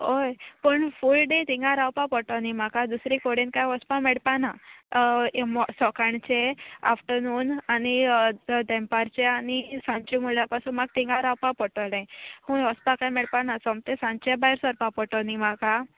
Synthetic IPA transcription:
ɦojpəɳfulɖet̪ĩŋɡaɾawpapəʈɔnimakad̪usɾikoɽinkajɔspãmɛɽpana | msɔkaɳt͡ɕea̰fʈənuːnanid̪ɛmpaɾt͡ɕeanisãɲt͡ɕimuljapasunmaɡ̚t̪ĩŋɡaɾawpapəʈəlẽhũɔspãkajmɛɽpanasɔmt̪esãɲt͡ɕebajɾsəɾpapɔʈɔnimaka

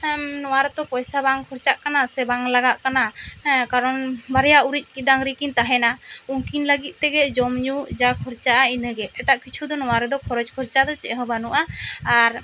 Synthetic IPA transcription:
nɔwaɾɛt̪ɔpɔjsabaŋkʰɔɾt͡ʃaʔkanasɛbaŋlaɡaʔkanakaɾɔnbaɾɛjauɾit̪̚ˀkid̪aŋɾikint̪aɦɛnauŋkinləɡit̪̚t̪ɛɡɛd͡ʒɔmɲud͡ʒakʰɔɾt͡ʃaʔainəɡɛɛʈaʔkit͡ʃʰud̪ɔnɔwaɾɛd̪ɔkʰɔɾɔd͡ʒkʰɔɾt͡ʃad̪ɔt͡ʃɛʔɦɔbanuʔaːɾ

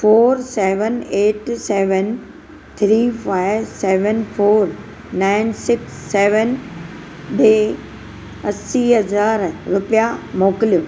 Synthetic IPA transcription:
foːɾsɛːʋəneːʈsɛːʋən | t̪ʰɾiːfaːɪʋsɛːʋənfoːɾ | naːɪnsɪksːɛːʋən | ɗeː | ɐsiɦɐzaːɾɾʊpijamoːkɪlijo

